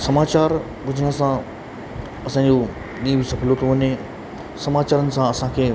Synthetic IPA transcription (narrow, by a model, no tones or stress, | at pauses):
sɐmaːt͡ɕaːɾ | bʊd͡ʑʱnãsã | ɐsã̆ːd͡ʑo | ɗĩːbʱisɐpʰlot̪ʰuʋənẽ | sɐmaːt͡ɕaːɾənɪ̆sãɐsãkʰeː